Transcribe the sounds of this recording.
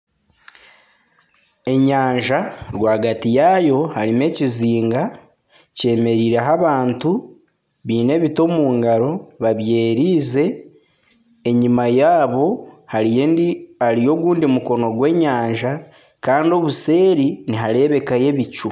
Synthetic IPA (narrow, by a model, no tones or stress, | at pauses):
e̞ɲaːɲʒaɾwaːɡatijajo̞haɾime̞ciziːŋɡa | ce̞ːme̞ɾiːɾe̞ɦaβaːntu | βiːne̞βito̞muːŋɡaɾo̞βaβje̞ːɾiːze̞ | ɲimajaːβo̞ha | haɾijo̞ɡuːndimuko̞no̞ɡwe̞ːɲaːɲʒa | kaːndio̞βuse̞ːɾiniɦaɾe̞ːβe̞kaje̞βicu